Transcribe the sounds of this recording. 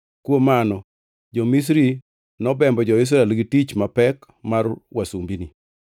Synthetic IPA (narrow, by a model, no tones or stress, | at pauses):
kwomanɔ | d͡ʒomis̬ɾi | nɔbɛmbɔd͡ʒɔɪs̬ɾaɛlɡitit͡ʃmapɛk | marwasumbini